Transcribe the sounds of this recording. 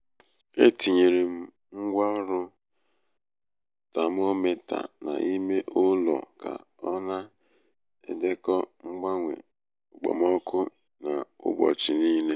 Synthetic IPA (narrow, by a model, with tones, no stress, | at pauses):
e˦ti˨ɲe˨ɾe˨m̩˦ | ŋ͡m̩˦ɡʷa˦ɔ˦ɾʊ˦ | ta˨m̩˦o˦me˦ta̰˨na̰˨ʔi˦me˦ʔʊ˦lɔ̰˨ka̰˨ | ɔ˦na˦ | ḛ˨de˦kɔ˦ŋ͡m̩˦ɡ͡ba˦ŋʷḛ˨ | ʊ˨k͡pɔ̰˨m˦ɔ˦kʰʊ˦ | na˨ʊ̰˦bɔ̰˨t͡ʃɪ˨niː˦le˦